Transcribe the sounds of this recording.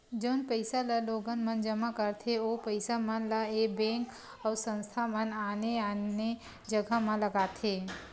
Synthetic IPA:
d͡ʒoːnpəɪsalaloːɡənmə̃nd͡ʒəmakəɾt̪ʰeopəɪsamənlaeːbɛ̃ːŋk | ɔːɾsə̃nst̪ʰamənaːneane | d͡ʒəɡamãləɡaːt̪ʰeː

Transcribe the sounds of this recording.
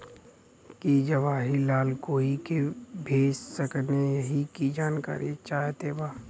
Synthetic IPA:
kid͡ʒəʋaːɦilaːlkoːikebʱeːssəkneɦikid͡ʒaːnka̰ːɾit͡ʃaːɦt̪ebaː

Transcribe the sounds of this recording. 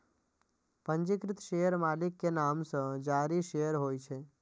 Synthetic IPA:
pəɲd͡ʒɪkɾɪt̪ʃejəɾmalikːenamsə̃d͡ʒaɾiʃejəɾɦojt͡ʃʰe

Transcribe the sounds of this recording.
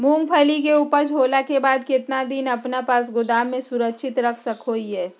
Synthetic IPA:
mũːŋɡpʰɐlik̬euːpəɾd͡ʒʱoːlakebaːd̪kɪt̪nad̪ɪnɐpnapaːs̬ɡʊd̪aːmːẽsʊɾəkʃʰɪt̪ɾɐkʰsɐkɦoːiɦɛː

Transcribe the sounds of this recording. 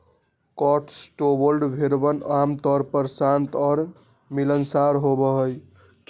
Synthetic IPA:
kɔʈsʈobolɖbʱeɾbənamt̪ɔɾpəɾsant̪ɔɾ | milənsaɾɦobəɦəj

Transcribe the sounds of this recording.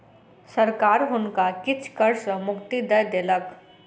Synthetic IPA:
səɾkaːɾɦʊnkakɪt͡ʃʰkəɾsəmʊkt̪id̪əjd̪eːlək

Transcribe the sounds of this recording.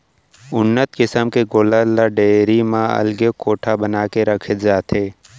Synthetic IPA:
ʊnːət̪kɪsəmkeɡoːləlaɖeːɾimãɐ̰lɡekoːʈʰabənaːkeɾɐkʰət̪d͡ʒaːt̪eː

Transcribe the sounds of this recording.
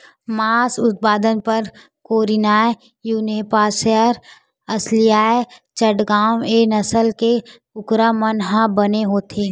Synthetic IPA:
maːsʊt̪̚paːd̪ənpɐɾ | koːɾinaːe | juːneːpaːsəɾ | ɐslɪjaːet͡ʃəʈɡaːweːnəsəlke | ʊkɾamənɦãbəneɦoːt̪ʰeː

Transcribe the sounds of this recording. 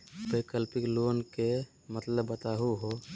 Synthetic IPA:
bəɪkəlpikloːnke | mət̪ləbːət̪aːɦuɦo

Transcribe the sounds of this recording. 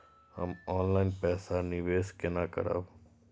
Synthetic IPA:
hə̰mɔːnlaːɪnpɛːsanɪʋeːskenaːkə̰ɾa̰ːb

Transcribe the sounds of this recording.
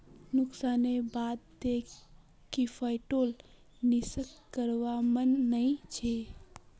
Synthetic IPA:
nʊksanebad̪̚d̪ekː | ifʰəɪʈol | nisəkːəɾʋamənːəĩt͡ʃʰe

